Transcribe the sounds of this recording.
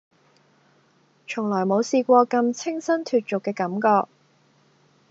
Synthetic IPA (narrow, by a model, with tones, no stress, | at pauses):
t͡ʃʰʊ˨˩ŋlɔː˨˩jmo˨˧wsiː˧kʷɔː˧kɐ˧mt͡sʰɪ˥ŋsɐ˥nt̪ʰyː˨˩t̚t͡sʊ˨kːɛː˧kɐ˨˥mkɔː˧k̚